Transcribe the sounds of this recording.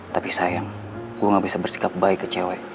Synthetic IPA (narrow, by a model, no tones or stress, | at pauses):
t̪apisajaŋ | ɡuaŋabisabərsi̥kap̚baikːət͡ʃewɛ